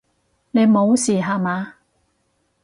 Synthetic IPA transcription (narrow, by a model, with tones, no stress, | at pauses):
ne˨˧jmo˨˧wsiː˨˩ɦaː˨˧maː˨˧˦